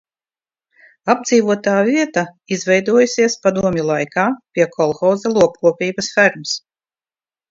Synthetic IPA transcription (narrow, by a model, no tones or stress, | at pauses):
abd̪ziːvuɔt̪aːvʲiɛt̪a | izvɛjd̪uɔjsʲiɛspad̪uɔmʲulˠajkaːpʲiɛkʰɔlˠxɔːzalˠuɔp̚kuɔpʲiːbɐsfæɾms